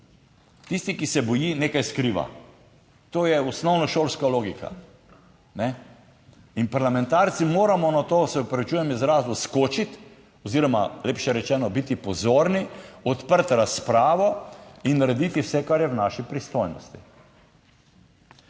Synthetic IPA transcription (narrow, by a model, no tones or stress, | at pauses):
t̪ist̪ikisɛbɔjiːneːkajskɾiːʋa̰ | t̪oːjɛusnɔwnɔʃolskaloːɡika̰ | nɛ | inpaɾlamɛ̃nt̪aɾt̪simoːɾamɔnat̪oːsɛupɾaʋit͡ʃuːjɛmizɾaːzuskot͡ʃit̪ | ɔziːɾɔmaleːpʃɛɾɛt͡ʃɛːnɔbit̪ipɔzoːɾniɔt̪pəɾt̪ɾaspɾaːʋɔinːaɾɛd̪iːt̪iwsɛkaɾjɛwnaːʃipɾist̪ojnɔ̰st̪i